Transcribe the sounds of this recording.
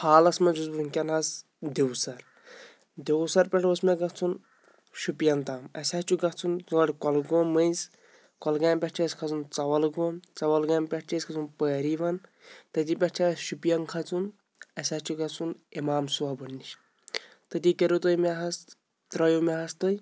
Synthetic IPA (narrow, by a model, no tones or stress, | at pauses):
pʰaːlɐsmɐd͡ʒuzbuɾunkʲɐnɦɐs | d̪ewsɐɾ | d̪ewsɐɾpʲɛʈosmɐɡɐt͡sʰun | ʃupijɐnt̪aːmɐ̰sʲat͡ʃuɡɐt͡sʰunt͡suŋɐʈkɔlɡoːmːɐjz | kɔlɡɐːmpʲɛʈt͡ʃʰɐskʰɐt͡sunt͡sɐʋɐlɡoːmt͡sɐʋɐlɡɐːmpʲɛʈ̚t͡ʃʰɐskʰɐt͡sʰunpəːɾiʋɐn | t̪ɐt̪ipʲɛʈt͡ʃʰasʃupjɐnkʰɐt͡sʰun | ɐsʲat͡ʃʰuɡɐt͡sʰunemaːmsuabɐnːiʃ | t̪ɐt̪ikeɾut̪ojmɛɦɐs | t̪ɾɐjomʲɛɦɐst̪oj